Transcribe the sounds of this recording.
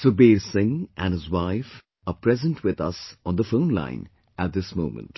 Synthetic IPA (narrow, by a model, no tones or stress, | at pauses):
sobeːɾsɪ̃ŋʔæ̃nhɨzwaɪf | əpɾɛzə̃ntʰwɪd̪ʌ̰sɔ̃nd̪əfõʊ̃nlã̰ɪ̃n | æt̚d̪ɪsmõʊ̃mə̰̃nt